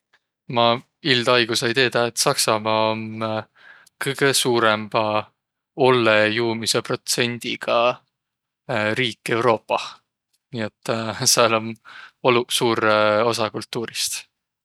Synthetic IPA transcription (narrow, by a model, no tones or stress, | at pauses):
mɑ | ild̪̥ɑjɡ̥usejit̪e̞ːd̪̥ɑet̪ːˑsɑksɑmɑːon | kɤjɡ̥e̞suːɾemb̥ɑ | o̞lːejuːmise̞pro̞t̪se̞nʲd̪̥iɡ̥ɑ | ɾiːkˑːe̞wɾo̞ːpːɑ | niːe̞t̪ːˑseɑlo̞nolusuːɾo̞sɑkult̪ːuːɾist̪